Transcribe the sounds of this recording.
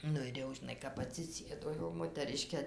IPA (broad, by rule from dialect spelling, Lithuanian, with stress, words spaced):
ˈnʊ ɪr ˈjɛʊ ʒʲɪˈnɐɪ kɐp ɐtʲsʲɪˈsʲeːdoː jɛʊ moːtɐˈrʲɪʃʲkʲeː